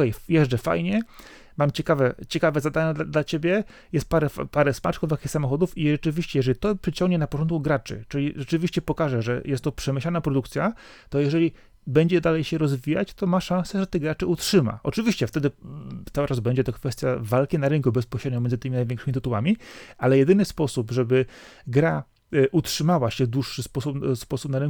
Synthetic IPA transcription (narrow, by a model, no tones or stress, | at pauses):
ɛjjɛʐd͡ʐɛfa̰jɲɛ | mamt͡ɕɛkavɛt͡ɕɛkavɛzad̪aɲad̪ad̪lat͡ɕebʲjɛ | jɛst̪̚paɾɛfpaɾɛsma̰t͡ʂkɔvjakʲixsamɔxɔd̪ufiʐɛt͡ʂɘvʲiɕt͡ɕɛjɛʐɛlʲit̪ɔpʂɘt͡ɕɔŋɡɲɛnapɔt͡ʂɔnt̪̚kuɡɾat͡ʂɘ̰t͡ʂɘlʲiʐɛt͡ʂɘvʲiɕt͡ɕɛpɔkaʐɛʐɛ̰jɛst̪ːɔpʂɛmɘɕlanapɾɔd̪ukt̪sʲjat̪ɔjɛʐɛlʲi | bɛɲd͡ʑɛd̪alɛjɕɛɾɔzvʲija̰t͡ɕt̪ɔmaʂãñsɛʐɛt̪ɛɡɾat͡ʂɛutʂɘma̰ʔɔt͡ʂɘvʲiɕt͡ɕɛft̪ɛd̪ɘt̪sawɘʈ͡ʂazbɛɲd͡ʑɛt̪ɔkfɛst̪ʲjavalkʲinaɾɘŋkubɛspɔɕɾɛd̪ɲɔ̃mʲjɛnt̪ɘmʲinajvʲjɛŋkʂɘmʲit̪ɘt̪uwamʲiʔalɛjɛd̪ɘnɘspɔsupʐɛbɘ | ɡɾa | ʔutʂɘmawaɕɛd̪wuʂːɘspɔsupspɔsupnaɾɘŋ